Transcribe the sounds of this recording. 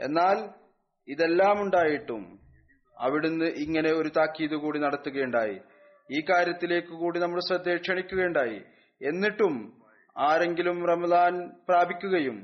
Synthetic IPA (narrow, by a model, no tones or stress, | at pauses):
e̞̰nːaːl | iðe̞lːaːmuɳɖaːjiʈːṵm | ɐ̰ʋiɽunːɨʔiŋːɐne̞o̞ɾut̪aːkːiːðukuːɽinɐɽɐt̪ːuɣɐejɳɖaːjḭ | iːkːaːɾjɐt̪ːile̞ːkːɨkuːɽinɐmːɐɭsɐd̪ːeːkʂɐɳikʲːuɣɐuɳɖaːjḭ | e̞nːiʈːum | aːɾe̞ŋɡilumrɐmɐðaːnpraːbʱikʲːuɣɐjum